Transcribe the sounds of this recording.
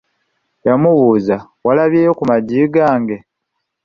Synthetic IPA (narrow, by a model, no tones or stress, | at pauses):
jamuβuːzawalaβjejokumaɟiːɡaːŋɡe̞